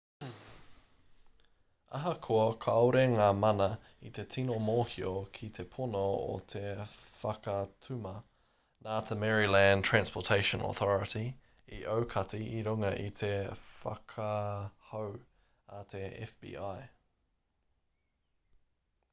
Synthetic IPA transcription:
ɐɦɐkʰoɐkʰɐwɾeŋaːmɐnɐ | it̪ʰe̞t̪ʰinomoːhiokʰit̪ʰe̞pʰonoo̰t̪ʰefɐkɐtʰʉmɐ | naːt̪ʰemɛɹilæntʰɹæ̃nspʰotʰeɪʃə̃nɔ̰θɔɹəti | iʔəwkʰɐtiiɾuŋɐʔḭt̪ʰefɐ̰kʰɐhow | ɐt̪ʰeɛ̰fb̥ḭːʔaj

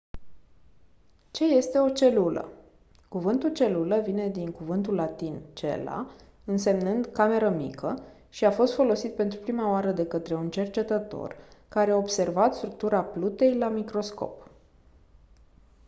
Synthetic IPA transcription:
t͡ʃe̞je̞st̪e̞o̞t͡ʃe̞lulə̰ | kuvɨnt̪ult͡ʃe̞luləvine̞d̪iŋkuvɨnt̪ulːat̪int͡ʃe̞̰la̰ | ɨnse̞mnɨnd̪kame̞ɾəmikə | ʃiafo̞st̪fo̞lo̞sit̪̚pe̞nt̪ɾupɾimaoaɾəd̪e̞kət̪ɾe̞unt͡ʃe̞rt͡ʃe̞t̪ət̪o̞̰rkaɾe̞aobse̞rvat̪st̪ɾuk̚t̪uɾaplut̪e̞jlamikɾo̞sko̞̰p

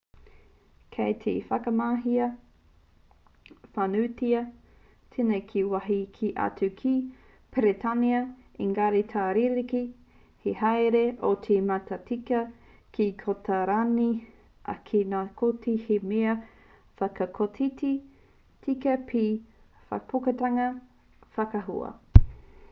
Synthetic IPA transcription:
kʰejt̪ʰḛfɐkɐmaːɦiɐ | fanutiɐ | tʰenejkʰiwaɦikʰiʔa̰tʉkʰi | peɾet̪ʰaniɐiŋɡaɾitʰaːɾiɾiki | hehajɾeʔot̪ʰematɐtikɐ | kikʰotɐɾani | ʔɐ̰kʰenaːkʰotihemeɐ | fɐkɐkʰotʰiti | tʰikɐpʰi | fɐ̰pʰokɐtaŋɐ | fɐkɐɦṵɐ̰

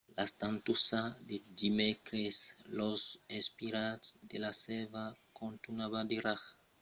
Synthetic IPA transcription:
last̪ant̪usad̪ed̪imekɾeslosespiɾasd̪elasɛvakont̪unaβad̪eɾax

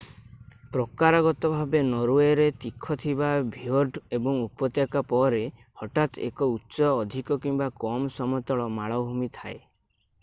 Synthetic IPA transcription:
pɾɔkaɾaɡɔt̪ɔbʱabenɔɾueɾet̪ikʰːɔt̪ʰibabʱioɾɖebɔŋupɔt̪jakapɔɾe | hɔʈat̪ḛkɔutːsɔːd̪ʱikɔkimbakɔmsɔmɔt̪ɔɭɔmaɭɔbʱumit̪ʰa̰e

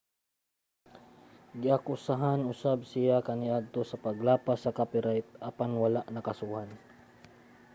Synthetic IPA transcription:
ɡɪakʊsaɦanʊsab̚sɪjakɐnɪʔad̪̚t̪osɐpɐɡlaːpasɐkapɪɾajt̪̚ʔɐpanwɐlaʔnɐkɐsuːhan

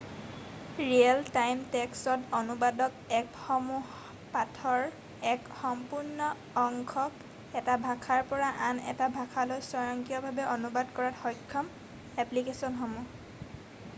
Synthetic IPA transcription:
ɹiɛltajmtɛksɔtɔnubadɔkɛkxɔmuh | patʰɔɹ | ɛkxɔmpuɹnɔː | ŋkʰɔk | ɛtabʱakʰaɹpɔɹaʔanɛ̰tabʱakʰalojsɔɹɔŋkiɔbʱabɛʔɔnubadkɔɹatxɔjkʰːɔm | ɛplikesɔnxɔmu

